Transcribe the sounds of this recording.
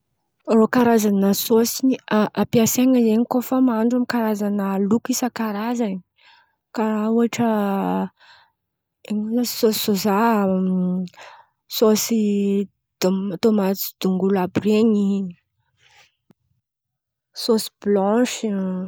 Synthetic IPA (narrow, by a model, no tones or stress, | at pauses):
rokaɾazanəsosiiaʔapiaseŋəzeɲikofamaɳɖ͡ʐamikaɾazanəlukisakaɾazan | kauaʈ͡ʂə | eŋunəsossosa | sosi | d̪̥omt̪omat͡si̥d̪̥uŋɡulabreɲi | sosi̥blɔ̃ʃi